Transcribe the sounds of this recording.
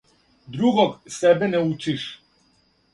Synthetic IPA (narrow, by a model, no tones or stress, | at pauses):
d̪ɾuɡɔɡsɛbɛnɛut͡ʃiʃ